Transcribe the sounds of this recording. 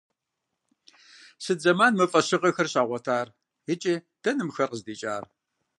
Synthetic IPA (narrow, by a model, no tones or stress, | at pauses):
sɨd͡zɐmaːnmɨfʼɐɕɪqɐxɐrɕaːʁʷɔtʰaːr | ɪt͡ʃʼi | d̥ɐnɨmxɐrqəzdiːt͡ʃʼaːr